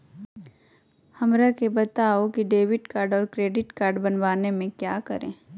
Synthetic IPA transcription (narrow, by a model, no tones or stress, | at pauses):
hɐmɾakebɐt̪aːokiɖeːʋɪʈkaːɾɖɔːɾkɾeːɖɪʈkaːɾɖbɐnʋaːnemẽkjaːkɐ̰ɾḛ̃ː